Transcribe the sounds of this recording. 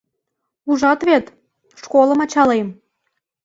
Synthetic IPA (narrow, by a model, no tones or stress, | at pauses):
uʒɑt̪βet̪ | ʃkolə̆mɑt͡ɕɑlem